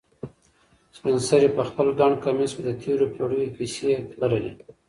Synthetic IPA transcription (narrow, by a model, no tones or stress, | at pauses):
spɪnsaɾepəxpəlɡɑɳkamisked̪ət̪ʰeɾopʰoɽəwipisetbaɾalḭ